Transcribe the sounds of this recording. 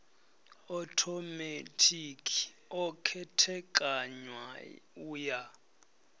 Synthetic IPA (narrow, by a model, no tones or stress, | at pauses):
ɔtʰɔmetʰʼikʰi̥ | ɔkʰɛtʰɛkʼaɲwauːja